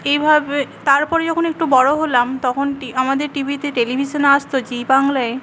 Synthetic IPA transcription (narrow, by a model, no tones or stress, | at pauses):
ejbʱabet̪aɾpɔɾed͡ʑɔkʰonek̚ʈubɔɽoɦolamt̪ɔkʰonʈiamad̪eɾʈibʱit̪eʈelibʱiʃonaʃt̪od͡ʑibaŋlae